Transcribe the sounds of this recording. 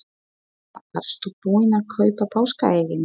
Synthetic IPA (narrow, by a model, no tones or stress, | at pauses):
afa̰ɾ̥st̪upuːɪnakʰœːɥpapaːwska̰ejɣɪn